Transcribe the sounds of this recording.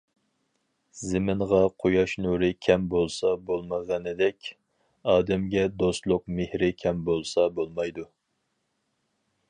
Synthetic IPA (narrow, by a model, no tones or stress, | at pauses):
zɪmɪnʁɑqʰojɑʃnuɾɪkʲʰɛmbolˠsɑbolˠməʁɑnɨd̪ɛkʲ | ɑːd̪ɛmɡʲɛd̪ost̪lˠʊq̚mehɾɪkʲʰɛmbolˠsɑbolˠmɑjd̪u